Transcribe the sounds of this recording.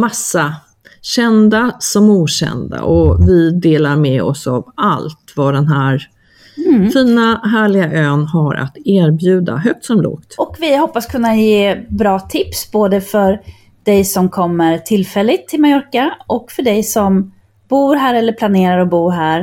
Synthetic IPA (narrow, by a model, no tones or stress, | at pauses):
masːa | ɕɛnd̪asɔmuːɕɛ̰nd̪a̰ʔɔvɪd̪eːlaɾmɛɔ̰sa̰valt̪vad̪ɛnɦæːɾ | fiːnaɦæːɭɪɡaʔøːnhaɾʔa̰t̪eːɾbjʉ̟ːd̪a̰ɦœk̚t̪sɔmlo̰ːkt̪ʔɔkvɪhɔpːaskʰɵnːajeːbɾɑːt̪ʰɪpsboːd̪əfœɾ | ɖ̪̥ɛjsɔmkʰɔmːəɾʈʰɪlfɛlːɪt̪ʰːɪlmajɔɾkaʔɔkfœɖɛjsɔm | b̥uːɾɦæːɾɛlːəɾpʰlaneːɾaɾɔbuːɾɦæːɾ